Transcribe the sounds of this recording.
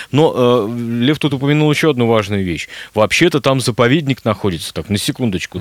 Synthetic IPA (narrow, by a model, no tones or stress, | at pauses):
no̞ʔəlʲeft̪ut̪ʊpəmʲɪnulˠjɪɕːoɐd̪nuvaʐnʊjʊvʲeɕvɐpɕːet̪ət̪amzəpɐvʲedʲnʲɪknɐxo̞dʲɪt̪sə̥t̪aknəsʲɪkund̪ət͡ɕkʊ